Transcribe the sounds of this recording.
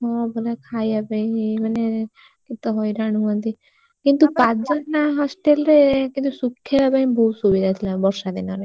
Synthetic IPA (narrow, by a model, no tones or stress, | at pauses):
ɦɔbolekʰajabaiĩmane | kit̪ɔɦɔjɾaɽ̃uɦuɔnt̪i | kint̪upatd͡ʒɔnːaɦɔsʈelɾekint̪usukʰːeabaɦĩbɔɦut̪subid̪ʱat̪ʰilãbɔɾsad̪inɔɾe